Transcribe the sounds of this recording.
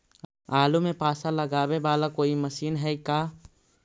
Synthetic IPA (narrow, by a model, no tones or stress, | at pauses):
aːlumẽpaːsaləɡaːbebaːlakoːiməʃiːnɦɛikaː